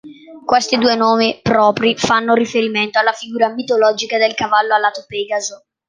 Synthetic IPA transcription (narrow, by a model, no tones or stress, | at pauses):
kwest̪id̪uːenoːmipɾɔːpɾifanːoɾifeɾiment̪oalːafiɡuːɾamit̪olɔːd͡ʒikad̪elkavalːoalːaːt̪opɛɡazo